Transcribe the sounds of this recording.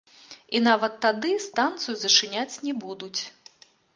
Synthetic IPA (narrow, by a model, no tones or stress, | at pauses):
inavɐt̪ːad̪ɨst̪ant̪sɨjuzɐʂɨnʲat͡sʲnʲɛbud̪ut͡sʲ